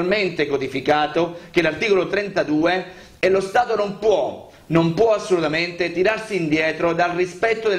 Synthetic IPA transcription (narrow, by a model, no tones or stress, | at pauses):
lment̪ekod̪ifikaːt̪ok̟elart̪iːkolot̪ɾɛnt̪ad̪uːe | elost̪aːt̪onompwɔ | nompwɔasːolut̪ament̪et̪iɾarsiːnd̪jɛːt̪ɾod̪alrispɛt̪ːod̪e